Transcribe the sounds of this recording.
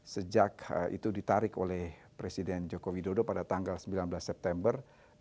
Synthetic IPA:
səd͡ʒakʔḭt̪udit̪aɾɪkolɛhpɾesidɛnd͡ʒokowidodopadat̪aŋɡalsəmbilanbəlasːɛp̚t̪ɛmbər

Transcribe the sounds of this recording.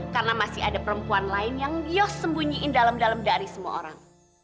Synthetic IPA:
karənamasɪɦa̰dapəɾəmpuanlaɪnjaŋjɔsəmbuɲiʔɪndalamdalamdaɾisəmua̰o̰ɾa̰ŋ

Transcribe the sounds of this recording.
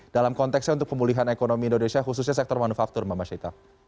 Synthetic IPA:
d̥alamkɔnt̪ɛksɲaunt̪ʊk̚pəmuliɦanekonomiindonesiaxus̬usɲas̬ɛk̚t̪ɔrmanufak̚t̪ʊrmamaʃait̪a

